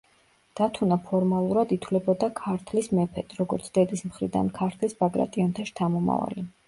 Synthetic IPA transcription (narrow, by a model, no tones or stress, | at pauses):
d̪̥at̪ʰunapʰɔɾmalˠuɾad̪it̪ʰwlɛbɔd̪akʰaɾt̪ʰlismɛpʰɛt̪ʰɾɔɡɔɾt̪sʰd̪̥ɛd̪ismχɾḭd̪a̰nkʰaɾt̪ʰlisbaɡɾa̰t̪ʼiɔnt̪ʰaʃt̪ʰamɔma̰va̰li